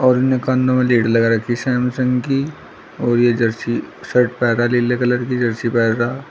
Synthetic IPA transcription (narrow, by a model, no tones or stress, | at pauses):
ɔːɾʊnːekãnd̪õmẽliːɖlɐɡaɾɐkʰisɛːmsə̃ŋɡki | ɔːɾjed͡ʒɐɾsiseʈpɛːɾaleːlekɐləɾkid͡ʒɐɾsipɛːɾa